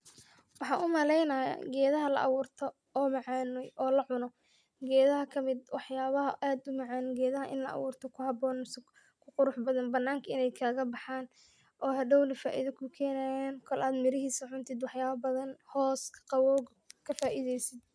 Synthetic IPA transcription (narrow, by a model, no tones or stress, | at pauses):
wɑħɑːnʊmɐlɛjnɐjɐ̰ɡɛːðɐɦɐlɐ̰ʔɑ̰wuːrt̪ʰɔ | ɔːmɑʕɑːnɔjʔɔːlɐʕʊnɔ | ɡɛːðɐɦɐkʰɐmɪd̪wɑħjaːβɐɦɐʔaːd̪ʊmɑʕɑːnɡɛːðɐɦɐʔɪ̰nlɐ̰ʔɑ̰wuːrt̪ʰɔkʰʊhɐbɔːnsɐ | kʰʊqʊɾʊħbɐðɐnbɐnːaːŋkʰɐɪnɛjkʰaːɣɐbɑħaːn | ʔɔːɦɐɖɔwlɐfa̰ːʔiðɐkʰʊkʰɛːnaːjaːnkʰɔlʔaːd̪mɪɾɪɦiːsɐʕʊnt̪ʰɪd̪wɑħjaːβɐbɐðɐnhɔːskʰqɑwɔːɡ | kʰɐfaːʔiðɛjsɪd̪